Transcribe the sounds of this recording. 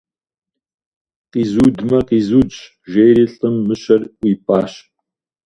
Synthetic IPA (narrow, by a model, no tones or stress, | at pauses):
qiːzuːdmɐqiːzuːd͡ʒ | ʒejɾiːɬʼɨmːɨɕɐrʷiːpʼaːɕ